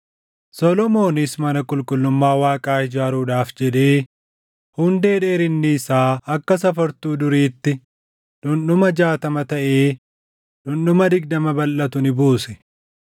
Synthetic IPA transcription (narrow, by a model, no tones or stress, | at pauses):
sɔlɔmo̞ːnɪsmɐnɐkʼʊlkʼʊlːʊmːaːwaːkʼaːhɪd͡ʒaːɾuːᶑaːfd͡ʒɛᶑe̞ː | hʊnd̪e̞ːᶑe̞ːɾɪnːɪːsaːɐkːɐsɐfɐɾt̪uːd̪ʊɾiːt̪ːɪ | ᶑʊnɗʊmɐd͡ʒaːt̪ɐmɐt̪ɐʔe̞ː | ᶑʊnːʊmɐd̪ɪɡ̚d̪ɐmɐbɐlːɐt̪ʊnɪbuːsɛ